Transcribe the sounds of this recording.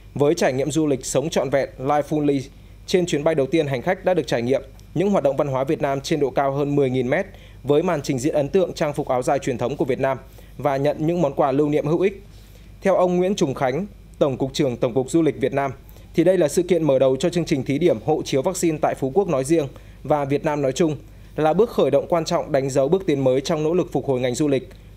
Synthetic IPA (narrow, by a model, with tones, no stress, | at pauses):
vəː˨˦jt͡ɕaː˧˩jŋḭ˧˨əmzu˧lï˨˩k̟̚sə˨˦wŋ͡mt͡ɕɔ̰˧˨nvɛ̰˧˨t̚laː˧jfu˧nli˧ | t͡ɕe˧nt͡ɕwi˨˦ənɓa˧jɗə˨˩wt̪i˧ənɦa˨˩ŋ̟xa˦˥jk̚ɗa̰ː˧˥ɨ˨˩ək̚t͡ɕaː˧˩jŋḭ˧˨əm | ɲɨ̰˧˥ŋɦwaː˨˩ɗə̰˧˨ŋ͡mva˧nɦwaː˨˦vi˨˩ət̚naː˧mt͡ɕe˧nɗo̰˧˨kaː˧wɦəː˧nmɨ˨˩əjŋi˨˩nmɛ˦˥t̚ | vəː˨˦jmaː˨˩nt͡ɕï˨˩ŋ̟zḭ˧˥ənʔə˨˦nt̪ɨ̰˧˨əŋt͡ɕaː˧ŋfʊ˨˩k̚ʔaː˨˦wzaː˨˩jt͡ɕwi˨˩ət̪ʰə˨˦wŋ͡mku˧˩əvi˨˩ət̚naː˧m | vaː˨˩ɲə̰˧˨nɲɨ̰˧˥ŋmɔ˨˦nkwaː˧˩lɨ˧wnḭ˧˨əmhɨ̰˧˨ʔï˦˥k̚ | t̪ʰɛ˧wʔə˧wŋ͡mŋwḭ˧˥ənt͡ɕʊ˨˩ŋ͡mxa˨˦ŋ̟ | t̪ə˧˩wŋ͡mkʊ˨˩k͡p̚t͡ɕɨ˧˩əŋt̪ə˧˩wŋ͡mkʊ˨˩k̚zu˧li˨˩k̟̚vi˨˩ət̚naː˧m | t̪ʰi˨˩ɗə˧jlaː˨˩sɨ̰˧˨kḭ˧˨ənməː˧˩ɗə˨˩wt͡ɕɔ˧t͡ɕɨ˧əŋt͡ɕï˨˩ŋ̟t̪ʰi˨˦ɗi˧˩əmho̰˧˨t͡ɕi˨˦əwvaː˦˥k̚si˧nt̪a̰ː˧˨jfu˨˦ku˦˥ək̚nɔ˨˦jzḭ˧əŋ | vaː˨˩vi˨˩ət̚naː˧mnɔ˨˦jt͡ɕʊ˧ŋ͡m | laː˨˩ɓɨ˦˥ək̚xəː˧˩jɗə̰˧˨wŋ͡mkwaː˧nt͡ɕɔ̰˧˨wŋ͡mɗa˨˦jŋ̟zə˨˦wɓɨ˦˥ək̚t̪i˨˦nməː˨˦jt͡ɕɔ˧wŋ͡mno̰˧˥lɨ˨˩k̚fʊ˨˩ho̰˨˩jŋa˨˩jŋ̟zu˧lï˨˩k̟̚